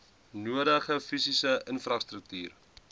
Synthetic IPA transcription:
nuəɾəχəfisisəʔənfrɐstɾək̚tyːr

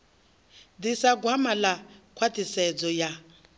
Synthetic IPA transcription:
d̪isaɡwamalakʰwatʰʼisɛd͡zɔja

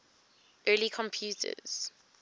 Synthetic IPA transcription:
ʔɜːlikʰɔ̃mpʰjuːtʰə̰z̥

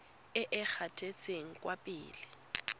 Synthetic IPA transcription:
ɪʔɪk͡xʰatʰʼet͡sʼeŋ̩kʼwapʼḭːlɪ

